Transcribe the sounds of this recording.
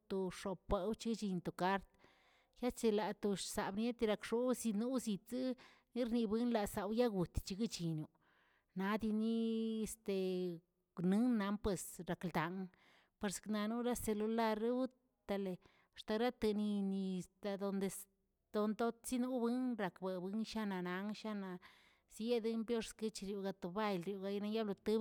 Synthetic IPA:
t̪o˧ʂo˨pʷːe˧wt͡ʃi˦t͡ʃi˧nt̪o˨ka˦ɾt̪ | ja˦t͡ʃe˧la˨t̪o˧ʃsa˨bnje˦t̪i˧ɾa˧kʂo˦si˧nu˦zi˧t͡sɨ˦ | ni˦ɾni˧bɨ˦nla˨sa˨wja˦ɡu˨t̪t͡ʃi˧ɡi˦t͡ʃi˨nu˧ | na˨˦d̪i˧ni˦e˧st̪e˨ | nɨ˦nːa˧˦mpwe˧sɾa˨kld̪a˨ŋ | pe˧ɾskna˧nu˦ɾa˦se˧lu˧la˦ɾe˦u˦ | t̪a˧le˨ | t̪a˧ɾa˦t̪ɨ˧ni˧ni˧st̪a˧d̪o˧nd̪e˧s | d̪̥o˧nt̪o˦t̪t͡si˦nu˦bɨ˦nɾa˨kbe˨bɨ˦nʃa˦na˨na˧˦ŋʃa˦na˧ | sje˦d̪ɨ˦mbjo˦ʂskɨ˦t͡ʃi˧ɾju˧ɡa˧t̪o˨ba˦jlɾju˧ɡa˧jna˧ja˦lo˧t̪ɨ˦

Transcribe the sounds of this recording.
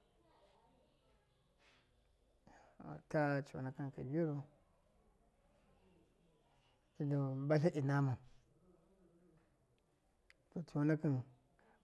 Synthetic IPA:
a̰˨ta˦t͡ʃo̰˨na˨ka˦n˨ka˨bi˦ɾo˦ | i˨do˨ba˦ɬa˦ʔi˨na˦ma˨ | to˨t͡ʃo˨na˦ka˦n

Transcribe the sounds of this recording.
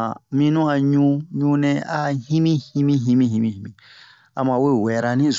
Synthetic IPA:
a˨mĩ˧nũ˦a˧ɲũ˧ɲũ˧nɛ̃˧a˦ɦĩ˦mĩ˦hĩ˧mĩ˦ɦĩ˧mĩ˧ɦĩ˧mĩ˧˨ĩ˧mĩ˧˨ | a̰˨mã˧we˦wɛ˨ɾa˧nĩ˦z

